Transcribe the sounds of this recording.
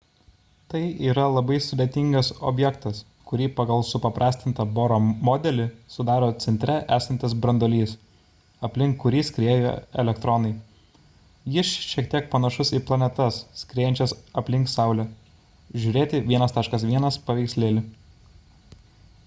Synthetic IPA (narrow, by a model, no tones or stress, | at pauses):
t̪ɐɪiːɾɐlˠɐbɐɪsʊd̪ʲeːt̪ʲɪŋɡɐsɔ̰bʲjɛkt̪ɐs | kʊɾʲiːpɐɡɐlˠsʊpɐpɾʔɑːsʲt̪ʲɪnt̪ɐboːɾoːmɔd̪ʲɛlʲɪsʊd̪ɑːɾoːt̪sʲɛnʲt̪ʲɾʲɛʔæːsɐnʲt̪ʲɪsbɾɐnd̪oːlʲiːs | ɐpʲlʲɪŋkːʊɾʲiːsʲkɾʲeːjo̰ːɛ̰lʲɛkt̪ɾɔnɐɪ | jɪsʃʲiɛkt̪ʲiɛk̚pɐnɐʃʊsiːplˠɐnʲɛt̪ɐssʲkɾʲeːjɛnʲt͡ʃʲɛsɐpʲlʲɪŋksɑˑʊlʲoː | ʒʲʊɾʲeːt̪ʲɪʋʲiɛnɐst̪ɑːʃkɐsʋʲiɛnɐspɐʋʲɛɪksʲlʲeːlʲɪ